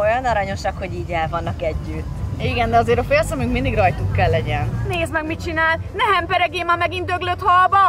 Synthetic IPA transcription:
o̞jɒnɒɾɒɲo̞ʃɒkho̞ɟiːɟɛlvɒnːɒkɛɟːyt̪ːiɡɛnd̪ɛɒzeːɾɒfejsɒmyŋkmind̪iɡrɒjt̪ukkːɛlːɛɟɛnneːzmɛɡmit͡ʃinaːlnɛɦɛmpɛɾɛɡeːmɒmɛɡint̪øɡløt̪hɒlbɒ

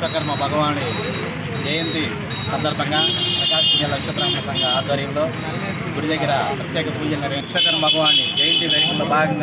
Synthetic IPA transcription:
ɐkɐɾmɐbʱɐɡɐʋaːni | d͡ʒeːjɐnd̪i | sɐnd̪ɐɾbʱɐŋɡaːɐkaːkiɲɐlɐkʂɐt̪ɾaːŋkɐt̪ɐŋɡaaːd̪ɐɾjɐmloː | ɡuɽid̪ɐɡːɐɾɐpɾɐt̪jeːkɐpuːd͡ʒɐnɐɾiɐkʂɐkɐɾɐmɐbʱɐɡɐʋaːnid͡ʒeːjind̪id̪eːʃɐlloːbʱaːɡɐŋɡa

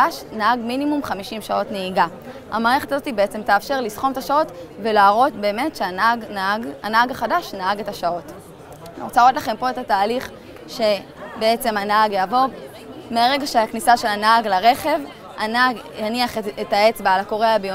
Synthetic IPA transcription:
aʃnahaɡminimumχamiʃimʃao̞tneiɡa | ha̰maːʁe̞χe̞tazo̞t̪ibeet͡se̞mtaːfʃe̞ʁlisχo̞met̪aʃao̞tve̞laːʁo̞tbe̞ːme̞tʃeanaɡɡanaaɡaχadaʃnaaɡe̞taʃao̞t | anḭʁot͡salʁot̪laχe̞mpo̞etataːliχ | ʃe̞ | beet͡se̞manaaɡjaːvo̞ | meʁe̞ɡaʃeaknisaʃe̞lanaaɡlaʁe̞χe̞v | a̰naɡjaniaχetae̞t͡sbaalako̞ʁeabeo

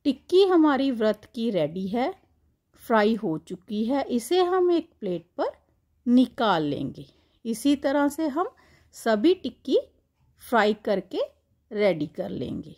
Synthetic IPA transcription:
ʈɪkːiɦɐmaːɾiʋɾət̪ʰkiɾɛːɖiɦɛː | fʰɾaːiɦot͡ʃʊkiɦɛːʔɪseɦɐmeːk̚pleːʈ̚pɐɾ | nɪkaːlːḛ̃ːŋɡeː | ɪsit̪ɐɾəseɦɐm | sɐbʱiʈɪkːi | pʰɾaːikɐɾke | ɾɛːɖikɐɾlḛ̃ːŋɡeː

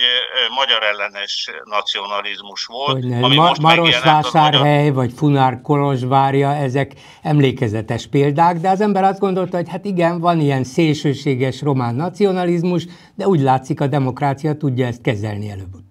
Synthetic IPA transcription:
mɒɟɒɾɛlːɛnɛʃnɒt̪sionɒlizmuʃʋoloɟnɛmʃmɒɾoʃʋaːʃaːrɦɛjvɒcfunarkolo̞ʒʋaːrjɒɛzɛk | ɛmleːkɛzɛt̪ɛʃpeːld̪aːɡd̪ɛɒzɛmbɛɾɒzd̪ɡo̞nd̪o̞lt̪ɒɦo̞chat̪iɡɛɱvɒnijɛnseːlʃøːʃeːɡɛʃro̞maːnːɒt̪sio̞nɒlizmuʒ | d̪ɛuːɟlaːt̪sikɒd̪ɛmo̞kraːt̪sijɒt̪uɟːɒɛst̪̚kɛzɛ̰lniɛløːbut̪

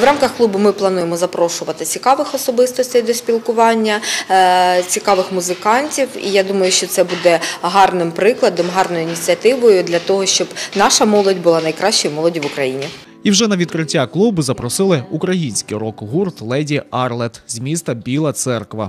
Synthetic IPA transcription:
ʋɾɑmkɐxklˠubʊmɪplˠɐnujemɔzɐpɾɔʃʊʋɐt̪ɪt͡sʲikɑʋɪxɔsɔbɪst̪ɔsʲt̪ɐjd̪ɔsʲpʲilˠkʊʋɑnʲːɐ | t͡sʲikɑʋɪxmʊzɪkɑnʲtʲiwḭjad̪umɐjʊʃt͡ʃɔt̪sɛbud̪ɛɦɑrnɪmpɾɪklˠɐd̪ɔmɦɑrnɔjʊinʲit͡sʲiɐt̪ɪʋɔjʊd̪lʲɐt̪ɔɦɔʃt͡ʃɔbnɑʃɐmɔlˠɔdʲbʊlˠɑnɐjkɾɑʃt͡ʃɪjmɔlˠɔdʲiʋʊkɾɐjinʲi | iwʒɛnɐʋʲid̪̚kɾɪtʲːaklˠubʊzɐpɾɔsɪlˠɪukɾɐjinʲsʲkijɾɔkɦurt̪lˠɛdʲiɑrlˠɛt̪zʲmʲist̪ɐbʲilˠɐt̪sɛrkʋɐ̰

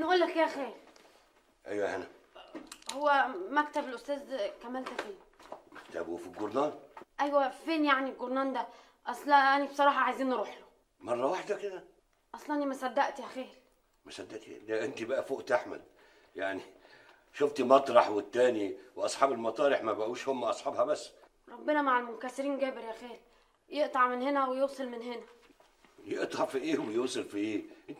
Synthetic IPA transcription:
ʔnʔuːlːækjæːxeːɾ | ʔæjwæhænæ | howːæmækt̪æbelʔʊst̪æːzkæmælt̪æfeːn | mækt̪æbṵfiɡoɾnɑːnʔæjwæfeːnjaʕniɡoɾnɑːnd̪æ | ʔɑsˤlɑʔænibsˤɑɾˤɑːħɑʕajziːnːɾˤuːħlo | mɑrˤːɑwaħd̪æked̪æ | ʔɑsˤlɑʔænːimæsæd̪ːæʔt̪hæxeːɾ | mæsæd̪ːæʔt̪ːd̪æʔent̪ibæʔæfoːʔt̪ʔaħmæ̰d̪̚ | jaʕni | ʃoft̪mɑt̪ˤɾˤɑħwet̪ːæːniweʔɑsˤħɑːbelmɑt̪ˤɑːɾeħmæbæʔuːʃhomːaʔɑsˤħɑːbhæbæsː | ɾˤɑbːenæmaʕalmʊnkæseɾiːnɡæːbeɾjæxeːl | jeʔt̪ˤɑʕmenhenæwejowsˤelmɪnhenæ | jeʔt̪ˤɑʕfiʔeːwejoːsˤelfiʔeː

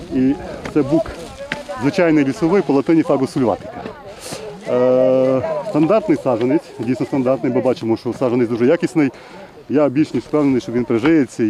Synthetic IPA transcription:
it̪sɛbukzʋɪt͡ʃajnɪjlʲisɔʋɪjpɔlˠɐt̪ɪnʲifɑɡʊsʊlʲʋɑ̰t̪ɪ̥kɐ | st̪ɐnd̪ɑrt̪nɨjsɑʐɐnʲisʲtʲdʲijsʲnɔst̪ɐnd̪ɑrt̪nɨjmɪbɑt͡ʃɪmɔʃɔsɑʒɐnɪsʲd̪uʐɛjakʲisʲnɪj | jaɐbʲit͡ʃnɪjspɛwnnɪjʃɔʋʲinpɾɪʐɪjet͡sʲːɐ

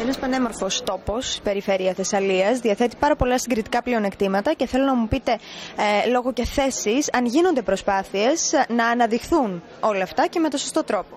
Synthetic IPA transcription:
enɐspɐne̞mo̞ɾfo̞st̪o̞po̞spe̞ɾife̞ɾiɐθe̞sɐliɐzðiɐθe̞t̪i̥pɐɾɐpo̞lɐst̪iɡɾit̪i̥kɐplio̞ne̞kt̪imɐt̪ɐce̞θe̞lonɐmupit̪e̞lo̞ɣo̞ce̞θe̞sisɐnʝino̞nd̪e̞pɾo̞spɐθie̞snɐːnɐðixθun | o̞lɐːft̪ɐce̞me̞t̪o̞sost̪o̞t̪ɾo̞po̞

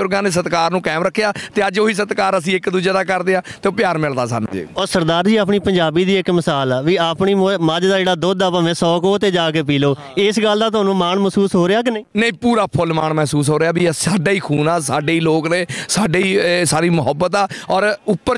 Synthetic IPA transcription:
ʊɾɡãːnɪs̬ət̪kaːɾnũːkɛːmɾəkʰːejaːt̪eːəd͡ʒoːiːs̬ət̪kaːɾəs̬ĩːɪkd̪uːd͡ʒeːd̪aːkəɾd̪eːãːt̪eːpɪjaːɾmɪld̪aːsa̰ːn̰ːd͡ʒḛːɔːɾsəɾd̪aːɾd͡ʒiːaːp̬ɳiːpə̃ɲd͡ʒaːbiːd̪iːɪkmɪsaːlaːʋiːaːpɳiːməd͡ʒd̪aːd͡ʒeːɽaːd̪oːd̪aːpaːʋɛ̃ːsɔːkoːt̪eːd͡ʒaːk̬eːpiːloː | ɪsɡəld̪aːt̪ʊaːnũːmaːɳməsuːsɦoːɾeːaːk̬ɪnẽːnəĩːpuːɾaːpʰolmaːɳmɛːsuːs̬ɦoːɾeaːbiːsaːɖaːiːkʰuːnaːsaːɖeːiːloːkneːsaːɖeiːsaːɾiːmʊɦəbːət̪aːɔːɾʊpːə

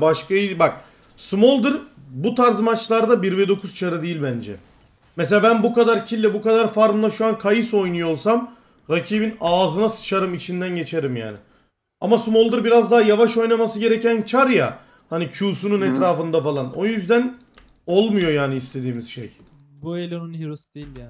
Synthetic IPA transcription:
baʃkaibak̚ | smo̞lˠd̪ɯɾ | but̪ʰaɾzmat͡ʃlˠaɾd̪abiɾvɛd̪o̞kʰuz̥t͡ʃʰaɾɯd̪eijilʲbænd͡ʒɛ̰ | mes̬elʲabænbukad̪aɾcʰilʲːɛbukad̪aɾfaɾmlˠaʃuankʰajɯso̞jnujo̞lˠsam | ɾacʰiːbinaːzɯnasɯ̥t͡ʃʰaɾɯmit͡ʃʰind̪ænɟe̞t͡ʃʰe̞ɾimja̰ːnɪ | a̰masmo̞lˠd̪ɯɾbiɾazd̪aɦajavaʃo̞jnamasɯɟe̞ɾecænt͡ʃʰaɾja | hanicʰuːsununɛt̪ɾaːfɯnd̪afalˠanojyzd̪æn | o̞lˠmujo̞jaːniːst̪ʰe̞d̪iːmiz̥ʃḛj | buelʲonunɦiɾusd̪ejilʲja

